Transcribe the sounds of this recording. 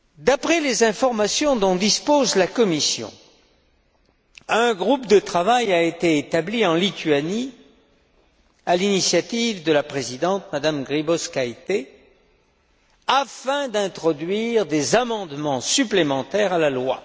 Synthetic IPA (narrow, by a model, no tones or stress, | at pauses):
d̪apχɛlezɛ̃fɔʁmasjɔ̃d̪ɔ̃d̪ispozlakɔmisjɔ̰̃ | ə̃ɡʁupd̪ət̪χavajaet̪eːt̪abliɑ̃lit̪ɥani | alinisjat̪ivd̪əlapχezid̪ɑ̃t̪mad̪amɡʁibɔskajt̪e | afɛ̃d̪ɛ̃t̪χɔd̪ɥiʁd̪ezamɑ̃d̪mɑ̃syplemɑ̃t̪ɛʁalalwa̰